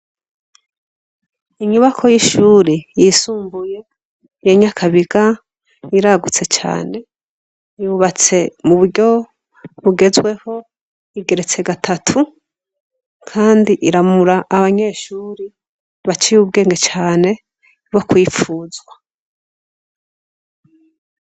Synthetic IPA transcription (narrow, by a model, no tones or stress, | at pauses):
iɲuβakʰo̞jiʃuːɾejisuːmbuje̞ | jeɲakʰaβiɡa | iɾaɡut͡se̞t͡ʃa̰ːne̞ | juβat͡se̞muβuɾɟo̞ | βuɡe̞zwe̞ho̞ | iɡe̞ɾe̞t͡se̞ɡatʰatʰu | kʰaːndiʔiɾamuɾaʔːβaɲe̞ʃuːɾe | βat͡ʃijuβɡe̞ːŋɡe̞t͡ʃaːne̞ | bo̞kwiːfuːzwa